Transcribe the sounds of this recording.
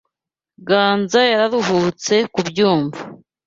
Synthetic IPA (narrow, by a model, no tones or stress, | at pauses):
ɡaːnzajaɾaɾuɦut͡se̞kubjuːɱva